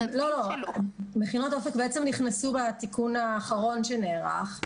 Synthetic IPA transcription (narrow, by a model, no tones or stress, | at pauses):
lo̞lo | meχinot̪ofekbeet͡semniχnasubat̪ikunaːχaʁo̞nʃeneːʁa̰χ